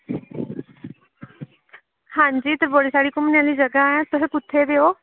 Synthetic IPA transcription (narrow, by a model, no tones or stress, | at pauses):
hãːɲd͡ʒiːt̪əɾboɽisaːɽiːkʊmnjãːliːd͡ʒəɡaɛ̃ːt̪ʊsẽːpʊt̪ʰːeːd̪eːoː